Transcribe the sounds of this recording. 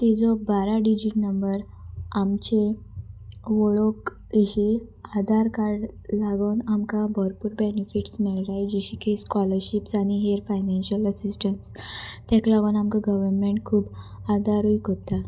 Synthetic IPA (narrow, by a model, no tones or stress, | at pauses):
t̪id͡zɔbaɾaɖid͡ʑinəmbəɾ | amt͡ɕe | ʋɔɭok | eɕiad̪ʱaɾkaɾɖlaɡonamkabɔɾpuɾbenifiʈsmɛɭɾajd͡ʑiɕikʰeskɔləɾɕipsaɽ̃iɦeɾfajnanɕələsisʈəɳʈst̪aklaɡonamkaɡəʋəɾmeɳʈ̚kʰuːbad̪ʱaɾuikot̪a